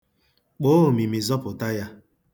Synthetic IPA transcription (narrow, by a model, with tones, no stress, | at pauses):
k͡po˦˨mi˨mi˨zɔ˦pʊ˨ta˦ja˦